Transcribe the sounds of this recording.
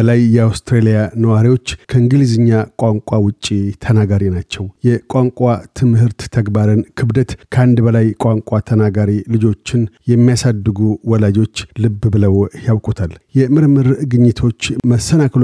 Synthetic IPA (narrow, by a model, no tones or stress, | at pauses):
əlajːɛawst̪ɾelijanəwaɾiwo̞t͡ʃːkʰəɨŋɡɨlizɨɲːakʼwaŋkʼawʊt͡ʃʼːit̪ʰənaɡaɾinat͡ʃːɛwjɛkʼaŋkʼat̪ʰɨmhɨɾt̪ːʰəɡbaɾɨnkʰɨbd̪ət̪kʰəand̪bəlajkʷʼaŋkʼat̪ʰənaɡaɾilɨd͡ʒo̞t͡ʃːɪnjɛmːijasad̪ːɨɡuwɔlad͡ʒo̞t͡ʃːlɨbːbɨləwjawkʼut̪ʰaljɛmɨɾmɨɾɡɨɲːɪt̪ʰo̞t͡ʃːməsːənakl